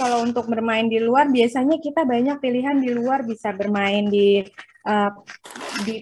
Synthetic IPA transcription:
kalaunt̪ʊk̚bərmaɪndiluarbiasaɲakit̪abaɲak̚piliɦandiluarbisabərmaɪndi | ʔə | di

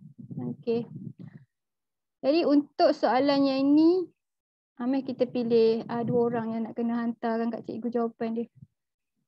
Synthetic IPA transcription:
oke | d͡ʒadiunt̪ʊʔsoalanɲaini | amɛhkit̪əpilɪhaduəoɾaŋjaŋnaʔkənaɦant̪akankaʔt͡ʃə̰ʔiɡud͡ʒawapandiəh

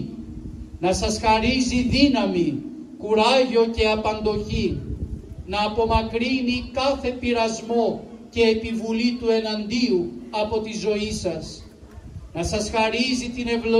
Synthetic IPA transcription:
nɐsɐsxɐɾiziðinɐmikuɾɐʝo̞ce̞ɐpɐnd̪o̞çi | nɐːpo̞mɐkɾinikɐθe̞piɾɐzmo̞ce̞ːpivulit̪ue̞nɐnd̪iuɐpo̞t̪izo̞isɐs | nɐsɐsxɐɾizit̪ine̞vlo

